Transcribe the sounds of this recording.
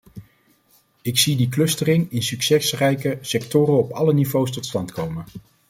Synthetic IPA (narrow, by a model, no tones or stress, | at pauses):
ɪksidiklɵstərɪŋɪnsyksɛsrɛjkəsɛk̚tʊːɾənɔpɑlənivowstɔtstɑntkʰowmən